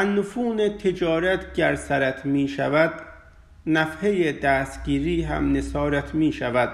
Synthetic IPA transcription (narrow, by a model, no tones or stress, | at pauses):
ænːofuːnet̪ʰed͡ʒɒːɾæt̪ʰɟæɾsæɾæt̪ʰmiːʃævæd̪̥ | næfhejed̪æːst̪ɟ̥iːɾiːɦæ̰mnesɒːɾæt̪ʰmiːʃævæd̪̥̚